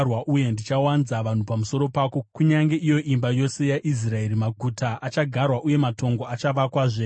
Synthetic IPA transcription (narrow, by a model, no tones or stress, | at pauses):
rwaʔuje̞ndit͡ʃawanzaʋan̤upamuso̞ɾo̞paːko̞kuɲaŋɡe̞ʔijo̞ʔimbajo̞se̞jaʔis̬rae̞rimaɡʱuːtaʔat͡ʃaɡʱarwaʔuje̞mato̞ŋɡoat͡ʃaʋakwaːʐe